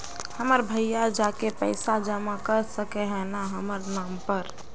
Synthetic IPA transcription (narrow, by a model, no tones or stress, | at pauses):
həməɾbʱəjjad͡ʒakepəɪsad͡ʒəmakəɾsəkeɦɛ̃naɦəməɾnaːmpəɾ